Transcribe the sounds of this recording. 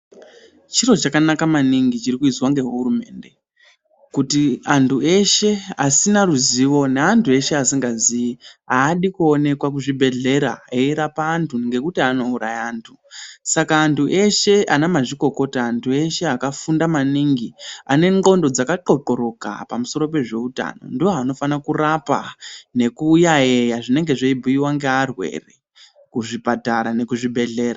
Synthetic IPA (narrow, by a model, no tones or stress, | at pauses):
t͡ʃiro̞t͡ʃakanakamaniŋɡit͡ʃirikuiswaŋɡe̞ɦɦurume̞̰ːnde̞ | kutiantʰue̞ʃe̞asinaruziʋo̞neantʰue̞ʃe̞asiŋɡaziiaːɗikuone̞kwak̬uʐibʱe̞ɮe̞ɾa̰eiɾapaːntʰuŋɡe̞kutiano̞uɾajaːntʰu | sakaːntʰuʔe̞ʃe̞ʔanamaʐiko̞ko̞taːntʰue̞ʃe̞akafundamaniŋɡiane̞ŋɡo̞ndo̞d͡zakaǃo̞ǃo̞ɾo̞ka̰pamuso̞ɾo̞pe̞ʐe̞uta̰no̞̰ndioɦano̞fanakurapane̞kujaejaʐine̞ŋɡe̞ʐeibʱuiwaŋɡearwe̞̰re | kuʐipataɾane̞kuʐibʱe̞ɮe̞ːɾa